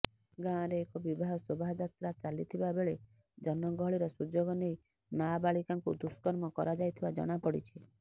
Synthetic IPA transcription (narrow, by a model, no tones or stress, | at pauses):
ɡãɾeːkɔbibʱaɦɔsobʱaɦd̪at̪ɾat͡ʃalit̪ʰibabeɭe | d͡ʒɔnɔɡɔɦɔɭiɾɔsud͡ʒoɡɔnej | nabaɭikaŋkṵd̪uskɔɾmɔkɔ̰ɾad͡ʒajt̪ʰibad͡ʒɔ̰ɽ̃apɔɽḭt͡ʃʰi